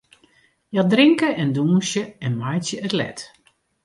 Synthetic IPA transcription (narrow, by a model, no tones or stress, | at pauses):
jadrɪŋkəʔɛnduːnsjəɛnmajtjəətlɛ̰t